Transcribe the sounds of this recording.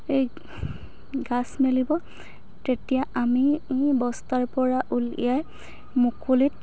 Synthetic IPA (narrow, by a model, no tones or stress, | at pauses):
ej | ɡasmelibɔ | tetijaamibɔstaɹpɔɹaʔulḭjaj | mukolit̚